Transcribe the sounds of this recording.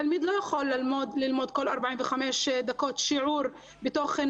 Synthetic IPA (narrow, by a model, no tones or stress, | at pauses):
almiːd̪laxollmod̪lɪlmoːd̪̚koːlːʔɑɾˤbaʕiːnwɪxameːsd̪akɑːt̪ʃʊʕuːɾ | bɪt̪oːxɪn